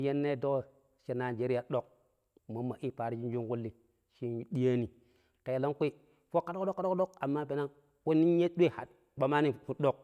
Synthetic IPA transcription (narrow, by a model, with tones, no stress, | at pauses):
je˦nːe˦˨do˦˨ | ʃe˨na˨d͡ʒe˦ɾi˦ja˨ɗo˨k̚ | mo˨˦mːa˨ʔi˦pa˨ɾi˦d͡ʒi˦n˦d͡ʒu˦ŋɡu˦lːi˨ | ʃi˦ɗi˦ja˦ni˨ | ke˨jlo˦ŋkʷi˦ | fo˦kːa˦do˦kdo˦kːa˦o˦ko˦ka˨mːa˦pe˨na˦ | ke˦ni˦n˦je˦ɗʷe˦ha̰˨t̚ | ɓa˨ma˦ni˦˨fu˨ɗo˦k̚